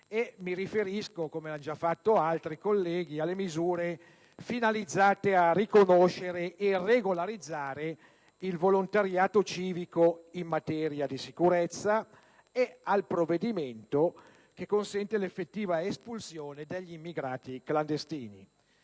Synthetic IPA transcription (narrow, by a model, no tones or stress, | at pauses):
emiɾifeɾiskokomeand͡ʒafːat̪ːoalt̪ɾikolːɛːɡialːemizuːɾe | finalid̪zːaːt̪earikonoʃeɾeʔːreɡolaɾid̪zːaːɾe | ilvolont̪aɾjaːt̪ot͡ʃiːvikoimːat̪ɛːɾjad̪isikuɾɛt̪sːa | ealpɾovːed̪iment̪o | kekːonsɛnt̪elefːet̪ːiːvaespulsjoːned̪eʎːiimːiɡɾaːt̪ikland̪est̪iːnḭ